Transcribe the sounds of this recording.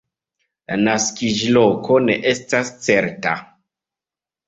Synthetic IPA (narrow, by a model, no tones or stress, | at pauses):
la̰naskid͡ʒilokoneʔestast͡seɾta̰